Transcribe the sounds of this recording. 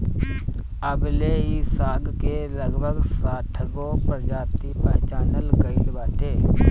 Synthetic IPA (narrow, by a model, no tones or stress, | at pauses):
əbleːisaːɡkeləɡbʱəɡsaːʈʰəɡopəɾd͡ʒaːt̪ipə̃ɦt͡ʃaːnəlɡəɪlbaːt̪eː